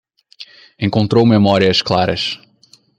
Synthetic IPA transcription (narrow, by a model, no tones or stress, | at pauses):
ẽŋkõnt̪ɾowmemɔɾiɐsklaɾɐ̰s